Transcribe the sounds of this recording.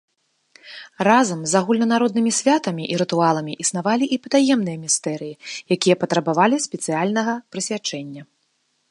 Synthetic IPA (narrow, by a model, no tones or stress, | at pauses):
razɐmzaɣulʲnɐnaɾɔd̪̚nɨmʲisʲvʲat̪ɐmʲiʔiɾɨt̪ualˠɐmʲiʔisnavalʲiʔipɐd̪ajɛmn̪ɨjɐmʲist̪ɛɾɨjijakʲijɐpɐt̪ɾɐbavalʲisʲpʲɛt̪sɨalʲnɐɣɐpɾɨsʲvʲat͡ʂɛnʲːɐ